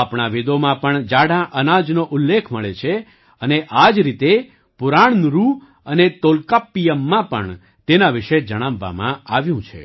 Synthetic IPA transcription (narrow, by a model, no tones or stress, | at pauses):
apɳaʋid̪omãpəɳd͡ʒaɽãʔənad͡ʒnoʔʊlːekʰməɭet͡ʃʰe | əneʔad͡ʒɾit̪e | pʊɾaɳnɾu | ənet̪olkapːijəmːãpəɳ | t̪enaʋɪʃed͡ʒəɽ̃ãʋːa̰mã̰aʋjũt͡ʃʰḛ